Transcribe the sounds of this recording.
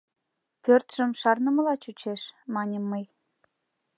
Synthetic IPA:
pørt̪ʒ̥əmʃɑrnəməlɑt͡ɕut͡ɕeʃmɑnʲəmːəj

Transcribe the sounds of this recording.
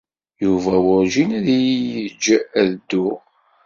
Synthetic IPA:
juvæwʊɾʒinæðijjəd͡ʒːæðd̪ːu

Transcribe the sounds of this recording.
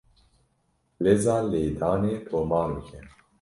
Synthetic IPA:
leːzaːleːd̪aːneːtʰoːmaːnbɨkʰɛ

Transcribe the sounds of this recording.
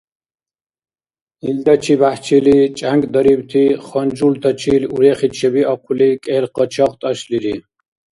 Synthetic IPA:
ild̪ɔt͡ʃʰibaht͡ʃʰilit͡ʃʼaŋkʼd̪ɔɾibt̪ʰiχɔnd͡ʒult̪ʰɔt͡ʃʰiluɾɛχit͡ʃʰɛbiɔqʰulikʼɛlqɔt͡ʃʰɔqt̪ʼɔʃliɾi

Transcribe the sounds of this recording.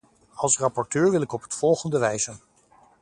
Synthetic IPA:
ɑlˠsrɑpɔɹtøːɹʋɪlˠɪkɔpɦətfɔlˠχəndəʋɛjzən

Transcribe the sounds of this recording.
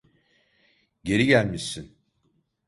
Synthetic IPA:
ɟe̞ɾiɟælʲmiʃin

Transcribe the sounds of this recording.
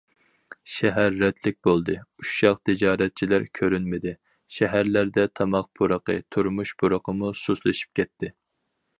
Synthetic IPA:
ʃɛɦæɾːɛd̪lɪk̚ʲbolˠd̪ɨuʃʃɑqt̪ʰɪd͡ʒɑːɾɛt̪̚t͡ʃʰilæɾkʲʰøɾynmɪd̪ɪ | ʃɛɦæɾlæɾd̪ɛt̪ʰɑmɑq̚pʰuɾəqə̰t̪ʰuɾmuʃbʰuɾəqʰəmususlˠɨʃi̥p̚kʲɛt̪ʰːɪ

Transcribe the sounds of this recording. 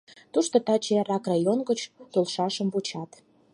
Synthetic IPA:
t̪uʃt̪ot̪ɑt͡ɕerɑkrɑjonɡət͡ɕt̪olʃɑʃəmbut͡ɕɑt̪

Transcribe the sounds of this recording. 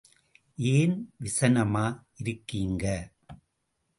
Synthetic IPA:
ʔeːnʋɪsɐnɐmaːʔɪɾɯkːiːŋɡɐ

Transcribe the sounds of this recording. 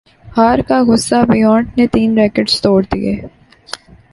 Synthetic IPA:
haːɾkaɣʊsːabɪjɔ̃ːɳʈnet̪iːnɾeːkəɖz̥t̪oːɽd̪ḭḛː

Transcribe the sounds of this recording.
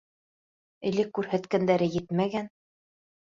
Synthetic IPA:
ɘ̆lɘkːʉɾhæt̪kænd̪æɾɘjɘt̪mæɡæn

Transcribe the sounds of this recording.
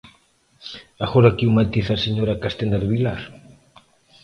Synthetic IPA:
aɣoɾakiwmat̪iθaseɲoɾakast̪end̪aɾβilaɾ

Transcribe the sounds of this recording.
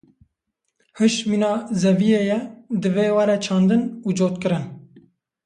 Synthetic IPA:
hɨʃminɑːzɛvijeːjɛd̪ɨveːwɛɾɛt͡ʃʰɑːnd̪ɨnuːd͡ʒoːt̪kɨɾɨn

